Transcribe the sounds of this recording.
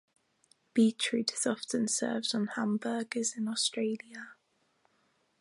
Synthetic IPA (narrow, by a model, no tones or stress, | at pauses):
b̥iˑt͡ʃʰɹ̥ʉˑtʰɪz̥ɒftə̃nsɜ̰ːvzn̩hãmbəːɡɪzɪ̃nɔstɹ̥eɪljə